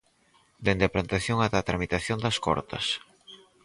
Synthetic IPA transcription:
d̪end̪ɪaplant̪aθjoŋat̪at̪ɾamit̪aθjond̪ɐskɔ̰ɾt̪ɐ̰s

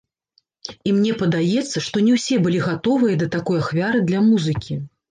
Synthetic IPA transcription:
imnʲɛpɐd̪ajɛt̪sːɐʂt̪ɔnʲɛwsʲɛbɨlʲiɣat̪ɔvɨjɐd̪ɐt̪akɔjaxvʲaɾɨd̪lʲɐmuzɨkʲi

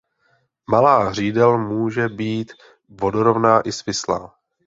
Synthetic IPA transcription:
malaːɦr̝iːdɛlmuːʒɛbiːt̪ | vo̞doɾovnaːʔɪsvɪsla̰ː

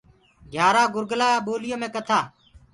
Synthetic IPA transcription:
ɡʱjaːɾaːɡʊɾɡəlaːɓoːlɪjõːmẽːkət̪ʰaː

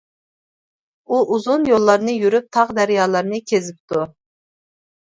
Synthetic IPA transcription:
uʔuzunjolˠːɑɾnɨjyɾyp̚t̪ʰɑʁd̪æɾjɑːlˠɑɾnɨkʲʰezɪp̚t̪ʰu

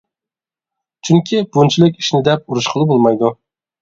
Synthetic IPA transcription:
t͡ʃʰyŋkʲʰib̥unt͡ʃʰilɪkʲi̥ʃnɪd̪ɛp̚uɾuʃqʰəlˠɨbolˠmɑjd̪u

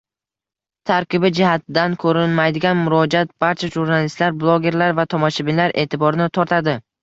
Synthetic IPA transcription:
t̪ʰaɾkʲɪbɪd͡ʒɪhat̪̚ɪd̪ankʰɵɾɪnmajd̪ɪɡʲanmʊɾɒd͡ʒat̪̚b̥aɾt͡ʃʰaʒuɾnalɪst̪laɾblˠoɡʲe̞ɾlaɾvat̪ʰɒmɒʃɪbɪnlaɾʔe̞ːt̪ʰɪbɒɾɪnɪt̪ʰɒɾt̪ʰad̪ɪ

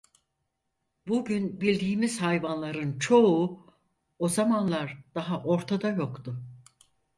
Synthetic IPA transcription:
buɟynbilʲd̪iːmizhajvanlˠaɾɯnt͡ʃʰo̞u | ozamanlˠaɾd̪̥aɦaʔo̞ɾt̪ʰad̪ajo̞kt̪ʊ

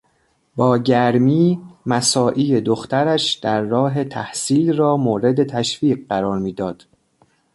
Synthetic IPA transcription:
bɒːɟæɾmiːmæsɒːʔiːed̪oxt̪æɾæʃd̪̥æɾːɒːɦe̞t̪ʰæhsiːlrɒːmoːɾe̞d̪e̞t̪ʰæʃfiːɢɢæɾɒːɾmiːd̪ɒːd̪̥

